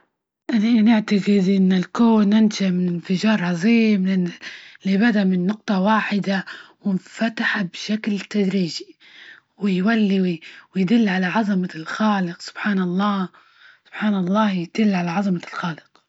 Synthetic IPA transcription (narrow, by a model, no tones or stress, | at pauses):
ʔananɪʕt̪aɡɪd̪ʔɪnːɪlkoːnːanʃamɪnɪnfɪd͡ʒɑːɾˤʕɑzˤiːm | libad̪amɪnːʊq̚t̪ˤɑwaːħɪd̪awɪnfat̪aħabʃaklt̪ːad̪ɾiːd͡ʒi̥ | wɪjwalːiwɪwɪjd̪ɪlːʕalaʕɑzˤɑmalxɑːlɪqsʊ̥b̥ħaːnɑlˤːɑː | sʊb̥ħaːnɑlˤːɑːjɪd̪̥ɪlːʕalaʕɑzˤɑmalxɑːlɪq